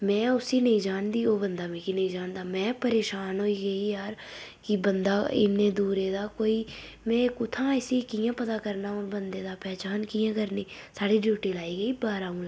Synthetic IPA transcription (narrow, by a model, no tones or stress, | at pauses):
mɛ̃ːʊsiːnĩːd͡ʒaːnd̪iːoːbənd̪aːmẽːkinəĩd͡ʒaːnd̪aːmɛ̃ːpəɾeːʃaːnɦoːiːɡəiːjaːɾ | kɪbənd̪aːɪ̰nːẽːd̪uːɾeːd̪aːkoːiː | mɛ̃ːkʊt̪ʰãːɛsiːkiːjãːpət̪aːkəɾnaːõːɾbənd̪eːd̪aːpɛːt͡ʃaːnkijãːkəɾneːsaːɽiːɖjuːʈiːlaːiːɡəiːbaːɾaːũːlː